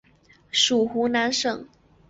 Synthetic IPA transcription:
ʂu˨˩xu˧˥na˧˥nʂɤ˥˩ŋ

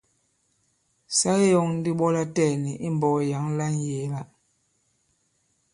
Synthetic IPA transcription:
sa˦ɣi˦jɔ˨ŋn̩˦di˦ɓɔ˦la˦tɛː˦˨ni˨ʔi˦m˨bɔ˨ja˨˦ŋ˦la˦n˦je˨˦la˦

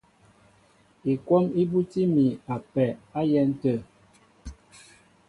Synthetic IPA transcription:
i˨kwɔ˦mi˦bu˦ti˦mi˨a˨pɛ˨a˦jɛ˦n̩˦tə˦˨

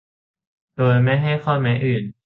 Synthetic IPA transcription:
doː˧jma˥˩jɦa˥˩jxʰɔ˥˩mɛː˨˦˥ʔɯː˨˩n

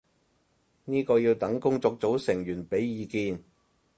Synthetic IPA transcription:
niː˥kɔː˧jiː˧wt̪ɐ˨˥ŋkʊ˥ŋt͡sɔː˧k̚t͡so˨˥wsɪ˨˩ŋjyː˨˩npe˨˥jːiː˨˧kiː˧n

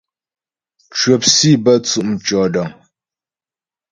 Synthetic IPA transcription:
t͡ʃɥə˨psi˦˨bə˦˨t͡su˦ʔm̩˨t͡ʃɔ˨dɔ˨ŋ

